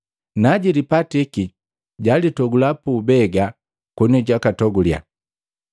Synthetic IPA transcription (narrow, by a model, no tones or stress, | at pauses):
naɟilipatiki | ɟalitɔɡulapuːbɛɡa | kɔnɔɟakatɔɡulja̰